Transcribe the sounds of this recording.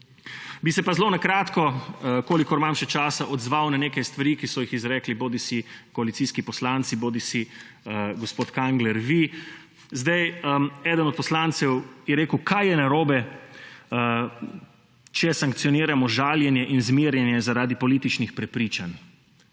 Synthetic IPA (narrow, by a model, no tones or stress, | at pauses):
bisɛpazlonakɾaːt̪kɔkoːlikɔɾmamʃɛt͡ʃaːsaʔɔd̪zʋawnaneːkajst̪ʋaɾiːkisɔjixizɾɛːkliboːd̪isikɔalit̪siːskipɔslant̪siboːd̪isi | ɡɔspoːt̪kaŋɡlɛɾʋi | zd̪ajɛːd̪ənɔt̪̚pɔslant̪sɛwjɛɾeːkəwkʰajjɛnaɾoːbɛ | t͡ʃɛsaŋkt̪siɔniːɾamɔʒaːljɛnjɛʔinzmiːɾjɛnjɛzaɾaːd̪ipɔliːt̪it͡ʃnixpɾɛpɾiːt͡ʃan